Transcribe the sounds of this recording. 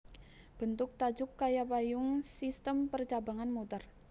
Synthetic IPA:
b̥ənt̪ʊk̚t̪ḁd͡ʒʊkːajapajʊŋsist̪əmpərt͡ʃabaŋanmut̪ər

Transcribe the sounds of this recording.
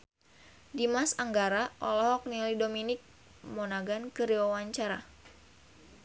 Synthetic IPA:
dimasaŋɡaɾaʔɔlɔɦɔk̚nilidominɪk̚ | mɔnaɡankɨɾiwawaɲt͡ʃaɾa

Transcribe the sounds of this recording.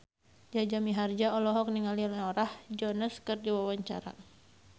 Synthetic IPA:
d͡ʒad͡ʒamiɦard͡ʒaɔlɔɦɔk̚niŋalilɔɾahd͡ʒɔnəskərdiwawaɲt͡ʃa̰ɾa̰

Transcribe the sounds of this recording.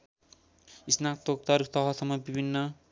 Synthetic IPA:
isnak̚t̪ok̚t̪ʌrt̪ʌɦʌsʌmːʌbibʱinːʌ

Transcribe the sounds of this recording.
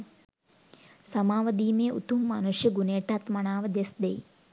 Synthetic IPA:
sɐmaːʋɐd̪iːmeːʔṵt̪umːɐnuʂjɐɡuneːʈat̪mɐɳaːʋɐd̪esd̪ej

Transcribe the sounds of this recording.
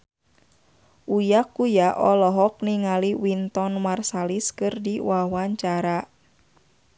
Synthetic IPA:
ʔujakːujaʔɔlɔɦɔk̚niŋaliwint̪ɔnmarsaliskɨrdiwawaɲt͡ʃaɾa

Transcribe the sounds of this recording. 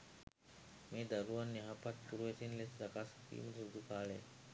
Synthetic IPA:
meːd̪ɐɾuʋanːiɦapat̪̚puɾuʋesinlesɾakaːst̪ḭːmət̪sud̪ʱukaːle

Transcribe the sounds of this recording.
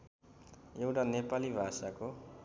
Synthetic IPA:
ewʈanepalibʱasako

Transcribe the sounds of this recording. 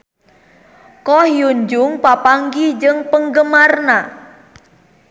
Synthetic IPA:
kɔhjuɲd͡ʒʊŋpapaŋɡid͡ʒɨŋpəŋɡəmarna

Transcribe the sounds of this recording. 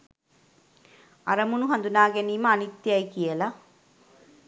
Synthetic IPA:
ɐ̰ɾɐmunuɦɐnd̪unaːɡeniːmɐːnit̪ːjɐjkijɐlɐ

